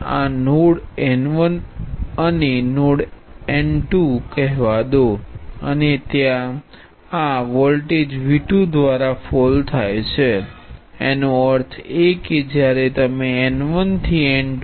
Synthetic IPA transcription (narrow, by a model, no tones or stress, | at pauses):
a̰noɽɛnʋənənenoɽɛɳʈukəɦʋad̪oə̰net̪jã | aʋɔlʈed͡ʒʋiʈud̪ʋaɾafɔlt̪ʰajt͡ʃʰe | enoəɾt̪ʰeked͡ʒjaɾet̪əmeɛnʋənt̪ʰiɛɳʈ